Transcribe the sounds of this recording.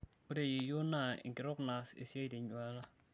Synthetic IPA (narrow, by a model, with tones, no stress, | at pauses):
o˦de˨je˨jo˦na˦˨ɪ̰˨ŋ̩˨kɪ˨ɾɔ˦kna˨sḛ˨si˦a˦i˦˨de˨ɲwa˦la˦